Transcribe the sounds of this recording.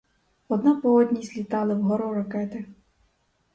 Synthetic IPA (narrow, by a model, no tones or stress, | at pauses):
ɔd̪napɔɔd̪ʲnʲizʲlʲit̪ɑlˠɪwɦɔɾɔɾɐkɛt̪ɪ